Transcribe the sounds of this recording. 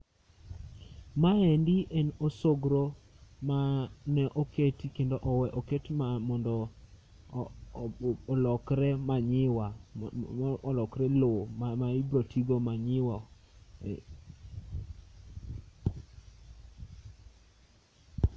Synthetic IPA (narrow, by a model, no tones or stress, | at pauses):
maɛndiʔenosoɡɾo | manɛʔoketikendoʔɔwɛʔoketmamɔndɔ | ɔlɔkɾɛmaɲɪwa | lɔkɾɛlomaibɾotʰiɡomaɲɪwa